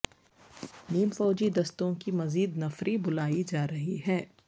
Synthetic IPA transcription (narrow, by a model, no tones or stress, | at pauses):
niːmfɔːd͡ʒid̪ɐst̪õkimɐziːd̪nɐfɾʔibʊlaːid͡ʒaːɾɐɦiɦɛː